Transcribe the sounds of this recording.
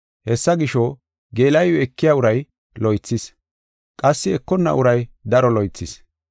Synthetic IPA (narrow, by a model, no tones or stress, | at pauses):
hɛsːɐɡɪʃɔ | ɡeːlɐjɔɛkːɪjaːʊɾɐj | lɔjt͡sːɪs | kʼɐsːɪɛkːɔnːɐ̰ʔʊɾɐjd̪ɐɾɔlɔjt͡sːɪs